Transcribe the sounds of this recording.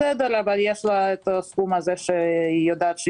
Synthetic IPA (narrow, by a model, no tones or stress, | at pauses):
ɛd̪aɾabadjɛʃlaɛt̪oskumazɛʃɛijod̪at͡ʃ